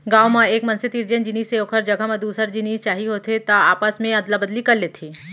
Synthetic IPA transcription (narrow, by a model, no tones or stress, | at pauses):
ɡaːwmãeːkmɐnsɪt̪iɾd͡ʒənd͡ʒɪniːseoːkʰəɾd͡ʒɐɡʱamɐd̪uːsəɾd͡ʒɪniːst͡ʃaːɦiɦoːt̪ʰet̪aaːpasmẽɐd̪labəd̪likɐɾleːt̪ʰiː